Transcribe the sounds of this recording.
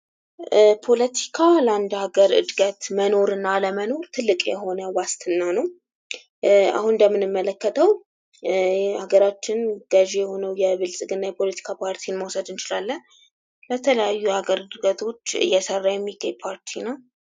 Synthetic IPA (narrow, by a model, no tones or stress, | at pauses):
pʰo̞lət̪ʰi̥kʰaləand̪aɡəɾɨ̰d̪ɡət̪məno̞ɾɨnːaləməno̞ɾt̪ʰɨlːɨkʼjɛ̰ɦo̞nəwast̪ʰɨnːanəw | a̰hunɨnd̪əmːɨnɨmːələkːət̪ʰəw | haɡəɾat͡ʃːɪnɡ̥əʒejɛho̞nəwjɛβɨlsʼɨɡɨnːajɛpʰo̞lət̪ʰi̥kʰapʰaɾt̪ʰinməwsəd̪ɨnt͡ʃɪlalːən | lət̪ʰələjajːuhaɡəɾɨd̪ɡət̪ʰo̞t͡ʃːɨ̰jːɛsərːajɛmːiɡaɲpʰaɾt̪ʰina